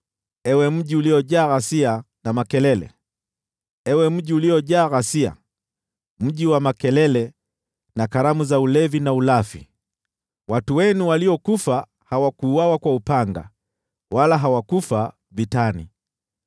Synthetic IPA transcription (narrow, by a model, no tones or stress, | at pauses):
ɛwɛm̩ʄiuliɔʄaːɣasia | namakɛlɛlɛ̰ | ɛwɛm̩ʄiuliɔʄaːɣasia̰ | m̩ʄiwamakɛlɛlɛ | nakaɾamuzaulɛvinaulafḭ | watuwɛnuwaliɔkufa | hawakuːwawakwaupaŋɡa̰ | walaɦawakufa | vitanḭ